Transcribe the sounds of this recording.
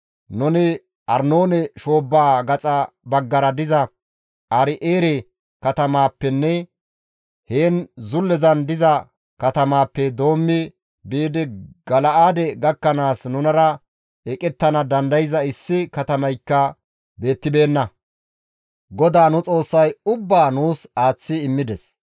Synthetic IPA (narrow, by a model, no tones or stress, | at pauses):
nʊnɪ | ʔɐɾnoːnɛʃo̞ːbːaːɡɐt͡sʼɐ | bɐɡːɐɾɐd̪ɪzɐ | ʔɐɾɪʔeːɾɛ | kɐt̪ɐmaːpːɛnːɛ | heːnzʊlːɛzɐnd̪ɪzɐ | kɐt̪ɐmaːpːɛd̪o̞ːmːɪ | biːd̪ɪɡ̥ɐlɐaːd̪ɛɡɐkːɐnaːsnʊnɐɾɐ | ɛkʼɛt̪ːɐnɐd̪ɐnd̪ɐjɪzɐɪsːɪkɐt̪ɐmɐjkːɐ | be̞ːt̪ːɪbe̞ːnːɐ | ɡɔd̪aːnʊt͡sʼo̞ːsːɐjʊbːaːnuːsaːt͡sːɪɪmːɪd̪ɛs